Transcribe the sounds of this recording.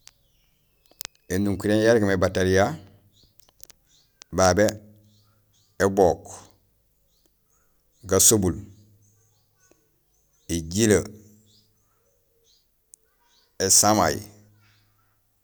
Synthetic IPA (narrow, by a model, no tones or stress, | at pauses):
enuŋkuɾenjaɾiɡmebataɾija | babe | ebok | ɡasobul | eɟilə | esama̰ji